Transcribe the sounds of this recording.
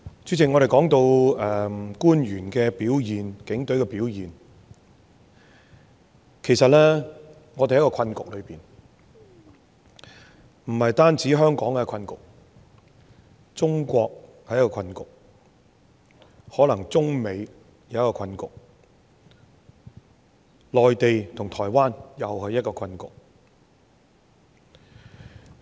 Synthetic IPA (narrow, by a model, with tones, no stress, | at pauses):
t͡syː˨˥t͡sʰɪ˨˩ŋɔ˨˧e˨jkɔː˨˥ŋt̪o˧wɛː˨kuː˥njyː˨˩nkɛː˧piː˨˥wjiː˨nkɪ˨˥ŋt̪ɵ˨˥ɥkɛː˧piː˨˥wjiː˨n | kʰe˨˩sɐ˨t̚lɛː˥ | ŋɔː˨˧e˨hkɔː˧kʰɐ˧nkʊ˨k̚lɵ˨˧piː˨n | m̩˨˩hɐ˨jt̪aː˥nt͡siː˨˥ɦœː˥ŋkɔː˨˥ŋkɛ˧kʰɐ˧nkʊ̰˨k̚ | t͡sʊ˥ŋkʷɔː˧k̚hɐ˨˧jɐ˥kːɔː˧kʰɐ˧nkʊ̰˨k̚ | hɔː˨˥lɐ˨˩ŋt͡sʊ˥ŋme˨˧j | jjɐ˥kɔː˧kʰɐ˧nkʊ˨k̚ | lɔː˨jt̪e˨jt̪ʰʊ˨˩ŋt̪ʰɔː˨˩jwaː˥njɐ˨whɵ˨˧jɐ˥t̚kɔː˧kʰɐ˧nkʊ̰˨k̚